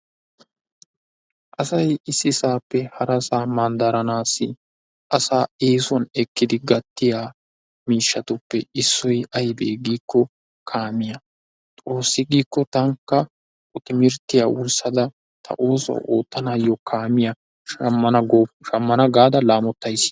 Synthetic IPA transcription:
ʔɐsɐjɪsːɪsaːpːɛhɐɾɐsaːmɐnd̪ɐɾɐnaːsːɪ | ʔɐsaːeːsɔnɛkːɪd̪ɪɡɐt̪ːɪjaː | miːʃːɐt̪ʊpːɛɪsːɔjɐjbeːɡiːkːɔ | kʰaːmɪjɐ | t̪ʼo̞ːsːɪɡiːkːɔt̪ɐŋkːɐ | ɔt̪ɪmɪɾt̪ːɪjaːʔʊlsɐd̪ɐ | t̪ʰɐ̰ʔoːsɔ̰ʔo̰ːt̪ːɐnaːjɔkʰaːmɪjɐ | mːɐnɐɡʃɐmːɐnɐɡaːd̪ɐlaːmɔt̪ːɐjs

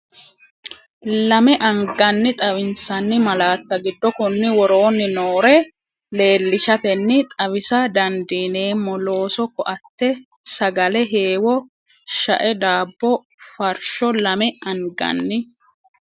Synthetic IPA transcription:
lɐmɛʔɐŋɡɐnːɪt̪ʼɐwɪnsɐnːɪmɐlaːt̪ːɐɡɪd̪ːɔkʊnːɪwɔɾo̞ːnːɪnoːɾɛ | le̞ːlːɪʃɐt̪ɛnːɪt̪ʼɐβɪsɐd̪ɐnd̪iːne̞ːmːɔlo̞ːsɔkːɔʔɐt̪ːɛ | sɐɡɐlɛɦeːwɔ | ʃɐʔɛd̪aːbːɔ | fɐɾʃɔlɐmɛɐŋɡɐ̰nːɪ

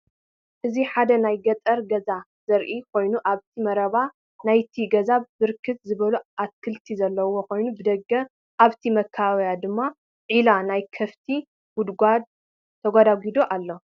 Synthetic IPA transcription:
ʔɨziħad̪ɐnajɡɐt̪ʼɐɾɡɐza | zɐɾʔikʰo̞jnuʔaβt̪ʰimɐɾɐβa | najt̪ʰiɡɐzabɨɾkʰːɨt̪zɨβɐluʔat̪kʰɨlt̪ʰizɐlːɐwokʰo̞jnubɨd̪ɐɡːɐ | ʔaβt̪ʰimɐkʰːaβawjad̪ɨmːa | ʕilanajkʰɐft̪ʰi | wud̪ɡʷad̪̚ | t̪ʰɐɡʷad̪aɡid̪oʔalːo̞

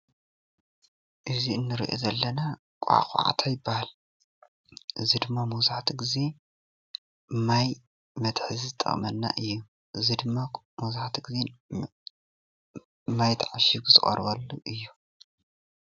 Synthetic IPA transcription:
ʔɨziɨnːɨɾiʔo̰zɐlːɐna | kʷʼa̰xʼʕa̰t̪ʰajɪbːahal | ʔɨzid̪ɨmːamuzaħt̪ʰiɡize̞ | maj | mɐt̪ħɨzizɨt̪ʼːɐ̰χʼmɐnːa̰ʔɨjːu | ʔɨzid̪ɨmːa | muzaħt̪ʰiɡize | mːajt̪ʰʕaʃiɡuzɨχʼɐ̰ɾbɐlːṵʔɨjːu

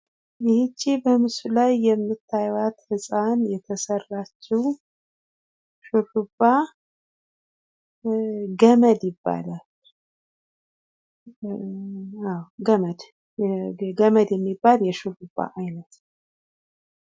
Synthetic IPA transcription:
jhɨt͡ʃʼːibəmɨsulajːɛmːɨt̪ʰːajwat̪hɨsʼanjɛt̪ʰəsərːat͡ʃːɛw | ʃurubːa | ɡəməd̪jɪbːa̰lal | awɡəməd̪ | ɡəməd̪jɛmːibːaljɛʃulubːa̰ʔajnət̪

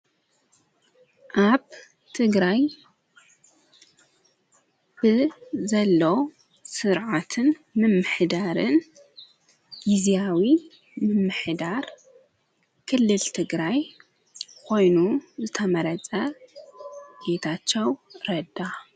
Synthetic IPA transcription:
ʔaβ | t̪ʰɨɡɾaj | bɨzɐlːow | sɨɾʕat̪ʰɨnmɨmːɨħd̪aɾɨn | ʔizawi | mɨmːɨħd̪aɾ | kʰɨlːɨlt̪ʰɨɡɾaj | kʰo̞jnuzɨt̪ʰɐmɐɾɐt͡sʼɐ | bet̪ʰat͡ʃːɐwɾɐd̪a

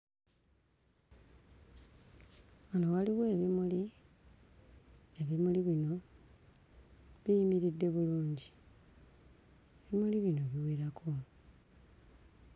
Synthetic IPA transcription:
onowaliɣe̞ːβimuli | eβimuliβino̞ | βijimiɾidːe̞βuluːɲɟi | eβimuliβino̞βiweːɾakʰo

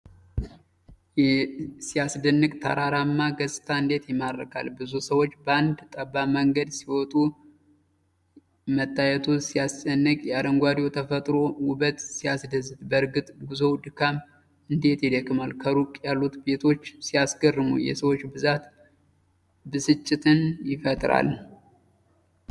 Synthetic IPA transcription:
jɛsijasd̪ɨnːɨkʼt̪ʰə̰ɾaɾamːaɡəsʼɨ̥t̪ʰaɨnd̪e̞t̪jɛmaɾəkʰa̰lbɨzusəwot͡ʃːbəand̪t̪ʼəbːaməŋɡəd̪siwɔt̪ʼu | mət̪ʼːajɛt̪ʰusijast͡ʃʼənːəkʼjad̪əŋɡwad̪ot̪ʰəfət̪ʼɾo̞wʊbət̪sijasd̪əzːɨd̪bəɾɡɨt̪ʼɡuzo̞wd̪ɨkʰam | ɨnd̪e̞t̪jɛd̪əkʼːɨmalkʰəɾukʼjalːut̪be̞t̪ʰo̞t͡ʃːsijasɡərːɨmṵjɛ̰səwot͡ʃːbɨzat̪ | bɨsɨt͡ʃʼːɪt̪ʰɨnjɪfət̪ʼɾa̰l

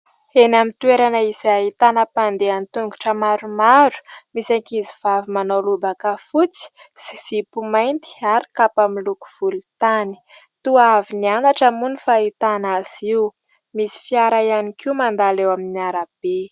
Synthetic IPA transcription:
enamint̪ueɾanaizait̪anəpand̪eanit̪uŋɡu̥ʈ͡ʂəmaɾumaɾu̥misaŋkiziv̥avimanolubakəfut͡si̥ | siz̥ipumajnt̪i̥aɾi̥kapamiluku̥v̥ulut̪ani̥ | t̪uavinianaʈ͡ʂəmunifait̪anaz̥iu | misi̥fiaɾaianikiumand̪alewaminiaɾab̥e

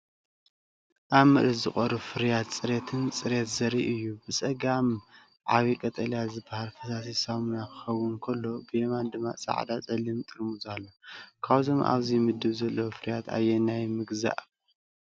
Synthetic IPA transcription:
ʔaβmɨʔlɨzɨχʼoɾɨfɨɾjat̪t͡sʼɨɾet̪ʰɨnt͡sʼɨɾet̪zɐɾiʔɨjːubɨsʼɐɡam | ʕaβikʼɐt̪ʼɐljazɨbahalfɐsas̬isamunakʰɨ̥xɐwːʊnkʰɐlːo̞bɨjemand̪ɨmːa̰sʼa̰ʕd̪at͡sʼɐlːimt̪ʼɨɾmuzalːokʰaβzomʔa̰βzimɨd̪ɨβzɐlːɐwfɨɾjat̪ʰa̰jːenajmɨɡza̰ʔ

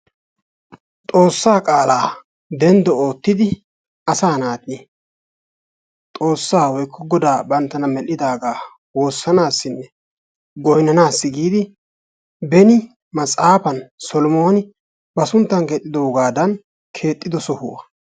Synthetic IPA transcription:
t̪ʼo̞ːsːaːkʼaːlaː | d̪ɛnd̪ɔoːt̪ːɪd̪ɪ | ʔɐsaːnaːt̪ʼi | t̪ʼo̞ːsːaːwɔjkʰːɔɡɔd̪aːbɐnt̪ːɐnɐmɛlːɪd̪aːɡaː | wo̞ːsːɐnaːsːɪnːɛ | ɡɔjnɐnaːsːɪɡiːd̪ɪ | bɛnɪ | mɐt͡sʼaːpɐnsɔlɔmo̞ːnɪ | bɐsʊnt̪ːɐŋkɛːt̪ʼːɪd̪oːɡaːd̪ɐn | kʰe̞ːt̪ʼːɪd̪ɔsɔhʊ̰ɐ

